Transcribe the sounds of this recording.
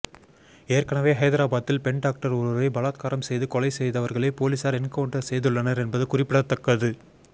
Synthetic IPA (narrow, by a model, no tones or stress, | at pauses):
eːɾkɐɳɐʋeːɦɐɪðɐɾaːbaːt̪ːɪlpɛɳɖaːk̚ʈɐɾʊɾɾɐɪbɐlaːt̪̚kaːɾɐmsɛjðɯkɔlɐɪsɛjðɐʋɐɾɣɐɭɐɪpoːliːsaːɾɛnkɐɳʈːɐsɛjðɯɭːɐnɐɾɛnbɐðɯkʊrɪpːɪɽɐt̪ːɐkːɐðɯ